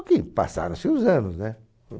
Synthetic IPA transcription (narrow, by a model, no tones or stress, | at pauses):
kipa̰sa̰ɾõsiuzɐ̃nʊznɛ